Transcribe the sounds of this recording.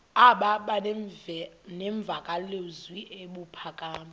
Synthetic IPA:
aɓaɓaɛnɛɱb̪vʱakʼalezwiʔeɓupʰakʼaːma

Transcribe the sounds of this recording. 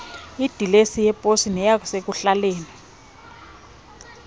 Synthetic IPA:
id̥ʱilesijɛpʼosinɛjak̬ʼɔsek̬uɬaleːni

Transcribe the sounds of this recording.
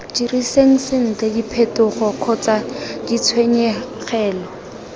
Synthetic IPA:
d͡ʒiriseŋ̩sɪn̩t͡ɬɛdipʰɛtʊχɔkʰɔt͡sadit͡sʰweɲɛχɛːlɔ

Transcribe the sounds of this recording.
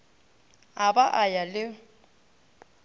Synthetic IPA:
abaʔajalɪ

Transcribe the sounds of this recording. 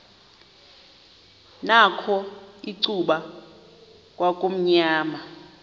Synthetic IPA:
nakʰɔiǀuɓa | kʼwakʼom̩ɲaːma

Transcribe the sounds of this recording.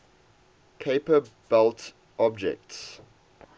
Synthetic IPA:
kʰeɪpəb̥ɛlˠt | ʔɔb̚d͡ʒɛ̰k̚ts

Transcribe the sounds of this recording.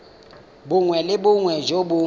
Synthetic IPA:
bʊŋwɛlɪbʊŋwɛʒobʊ

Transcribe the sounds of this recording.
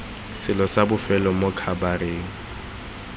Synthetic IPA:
sɪlɔsabʊfɛlɔmʊkʰabareːŋ̩

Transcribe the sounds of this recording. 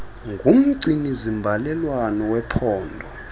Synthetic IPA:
ŋɡʱum̩ǀinizimbʱalɛlwanɔwɛpʰɔːndʱɔ

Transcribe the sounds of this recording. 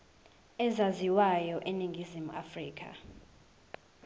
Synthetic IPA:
ɛzaziwajɔʔeniŋɡʱizimua̰friːk̬ʰʼa̰

